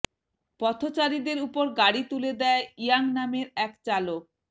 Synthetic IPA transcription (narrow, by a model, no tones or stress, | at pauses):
pɔt̪ʰot͡ɕaɾid̪eɾupoɾɡaɽit̪uled̪ɛaijaŋnameɾɛkt͡ɕalok̚